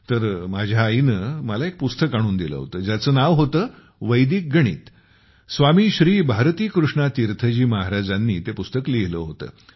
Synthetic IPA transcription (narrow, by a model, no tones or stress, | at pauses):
t̪əɾmad͡ʑʱjaːinəməlaek̚pust̪əkaɽ̃uːnd̪ilə̰ɦo̰t̪əːd͡ʑjat͡səːnaʋɦot̪əː | ʋəjd̪iːk̚ɡəɽ̃ḭːt̪ | sʋamiːɕɾiːbʱaɾt̪iːkɾuʂɳat̪iɾt̪ʰəd͡ʑiːmaɦaɾad͡zanːiːt̪epust̪əkliɦləɦot̪ə̰ː